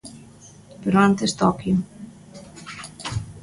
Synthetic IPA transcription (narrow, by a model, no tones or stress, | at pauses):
peɾoant̪est̪ɔkjo